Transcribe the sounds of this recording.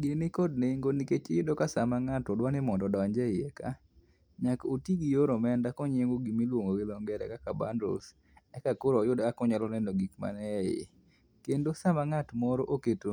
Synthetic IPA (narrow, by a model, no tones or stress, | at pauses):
ɡɪnɪkɔdneŋɡoniket͡ʃɪjɪdokasamaŋatɔdwanɪmɔndɔdɔaɲd͡ʒɛjeka̰ | ɲakotiɡijoɾɔmɛndakɔɲeŋɡoɡimilwoŋɡowɪlɔŋɡɛɾɛ̰kakaba̰ndɔ̰ls | ɛkakoɾɔjʊdakɔɲalɔnɛnoɡikma̰nɛjɪ̰ | kendosamaŋatmɔɾoʔoketo